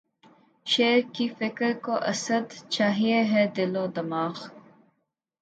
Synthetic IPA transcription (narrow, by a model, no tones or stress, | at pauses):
ʃeːɾkifɪkɾkoʔɐsəd̪t͡ʃaːɦieɦed̪ɪlõːd̪ɐmaːx